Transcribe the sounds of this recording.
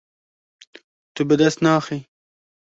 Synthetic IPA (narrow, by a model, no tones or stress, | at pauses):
t̪ubəd̪ɐst̪naːxi